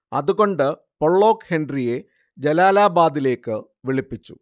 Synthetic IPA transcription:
ɐ̰ðuɣo̞ɳɖɨ | poɭːo̞ːkhenɖrije̞ | d͡ʑelaːlaːbaːd̪ile̞ːkːɨ | ʋiɭipːit͡ɕːṵ

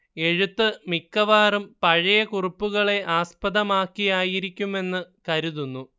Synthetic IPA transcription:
e̞ɻut̪ːɨmikːɐʋaːrumpɐɻɐjɐkuripːuɣɐɭe̞ʔaːspɐðɐmaːkːijaːjiɾikʲːume̞nːɨkɐɾuðunːu

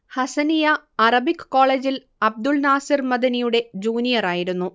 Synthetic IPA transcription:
hɐsɐnijɐɐrɐbikːkːo̞ːɭeːd͡ʑil | ɐb̚d̪uɭnaːsirmɐd̪ɐnijuɽe̞d͡ʑuːnijɐraːjiɾunːu

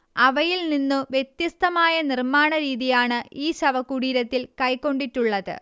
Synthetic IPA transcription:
ɐʋɐjilninːuʋje̞t̪jɐst̪ɐmaːjɐnirmaːɳɐɾiːðijaːɳɨiːɕɐʋɐkːuɽiːɾɐt̪ːilkɐjkːo̞ɳɖiʈːuɭːɐðɨ̰

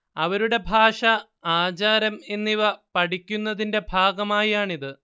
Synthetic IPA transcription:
ɐʋɐɾuɽe̞bʱaːʂɐ | aːt͡ɕaːɾɐme̞nːiʋɐpɐʈikʲːunːɐðinde̞bʱaːɡɐmaːjaːɳiðɨ

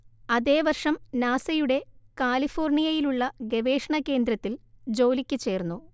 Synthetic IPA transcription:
ɐðe̞ːʋɐrʂɐmnaːsɐjuɽe̞kaːlifo̞ːrɳijɐjiluɭːɐɡe̞ʋe̞ːʂɐɳɐke̞ːnd̪ɾɐt̪ːild͡ʑo̞ːlikʲːɨt͡ɕe̞ːrnːu

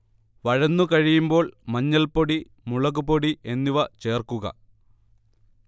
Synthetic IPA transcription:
ʋɐɻɐnːukɐɻijumbo̞ːɭmɐɲːɐlpoɽi | muɭɐɣupoɽiʔe̞nːiʋɐt͡ɕeːrkuɣɐ̰

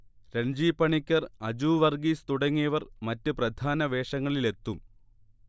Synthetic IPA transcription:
ɾeɲd͡ʑiːpːɐɳikʲːɐrɐd͡ʑuːʋɐrɡiːst̪uɽɐŋːijɐʋɐrmɐtːɨprɐd̪ʱaːnɐʋe̞ːʂɐŋːɐɭile̞t̪ːum

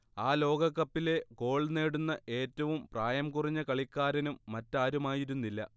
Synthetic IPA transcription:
aːlo̞ːɡɐkːɐpːile̞ɡo̞ːɭne̞ːɽunːɐʔe̞ːtːɐʋumpraːjɐmkuriɲːɐkɐɭikʲːaːɾɐnumːɐtːaːɾumaːjiɾunːilːɐ̰

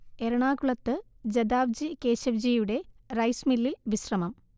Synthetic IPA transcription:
eɾɐɳaːkuɭɐt̪ːɨ | d͡ʑɐd̪aːʋd͡ʑikeːɕɐʋd͡ʑijuɽe̞rɐjsmilːilʋiɕrɐmɐm

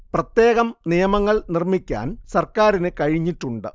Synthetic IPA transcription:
prɐt̪je̞ːɣɐmnijɐmɐŋːɐɭnirmikʲːa̰ːnsɐrkaːɾinɨkɐɻiɲːiʈːuɳɖɨ̰

